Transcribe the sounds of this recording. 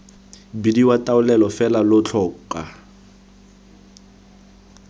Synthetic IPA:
bidiwatʼaʊlɛlɔfɛlalʊt͡ɬʰɔka

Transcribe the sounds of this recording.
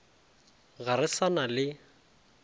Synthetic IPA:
ɣaɾɪsanalɪ

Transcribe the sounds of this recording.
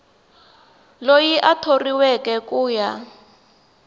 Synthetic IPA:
lojiʔatʰoriwɛkɛkʼuːja

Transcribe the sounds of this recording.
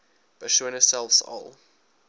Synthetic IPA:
b̥ətʃõnəsɛlˠfsɔ̰lˠ

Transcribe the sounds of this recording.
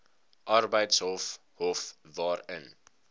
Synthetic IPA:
ʔarbəjtsɦɔlf | ɦɔfvɑːrə̰n

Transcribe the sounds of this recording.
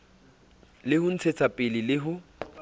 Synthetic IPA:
lɪhʊn̩t͡sʰet͡sʰapʼɪlɪlɪɦʊ

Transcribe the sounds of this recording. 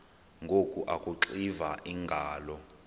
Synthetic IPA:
ŋɡʱokʼuʔakʼuǁivaʔiŋɡʱaːlɔ

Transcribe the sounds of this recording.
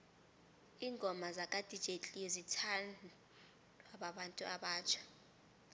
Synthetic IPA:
iːŋɡʱɔmazakʼad̥ʱid̥ʒ̥ʱetʼizitʰan | waɓaɓantʼuaɓaːt͡ʃʰḁ

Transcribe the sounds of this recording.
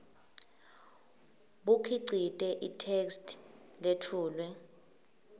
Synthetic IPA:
ɓukʰiǀitʼɛʔitʰekstʰ | letʰuːlwɛ

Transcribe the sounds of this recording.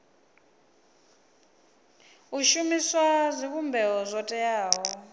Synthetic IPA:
uʃumiswazʷik̬umbʱɛɦɔzʷɔtʼɛjaːɦɔ

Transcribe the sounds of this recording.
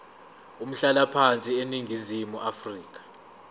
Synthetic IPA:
um̩ɬalapʰant͡sʼieniŋɡʱizimuʔafriːk̬ḁ

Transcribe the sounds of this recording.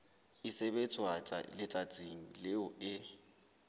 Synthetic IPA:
ɪsebet͡sʼwaa̰lɪt͡sʼat͡sʼiŋ̩leʊɪ

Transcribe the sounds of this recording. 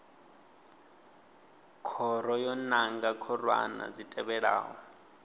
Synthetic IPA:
kʰɔɾɔjɔnaŋɡakʰɔrwa̰na̰d͡zitʼɛβɛɺa̰ːɦɔ

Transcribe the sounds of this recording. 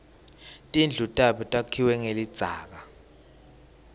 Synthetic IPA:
tʼind͡ɮʱutʼaɓɔtʼakʰiwɛŋelid̥d͡z̥ʱa̰ːk̬a

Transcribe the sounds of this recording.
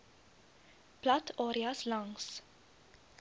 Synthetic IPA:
pʰlɑt̪ʰoɾɪɑslɑŋs

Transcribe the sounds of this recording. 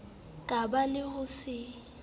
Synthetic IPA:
kʼabalɪhʊsɪ

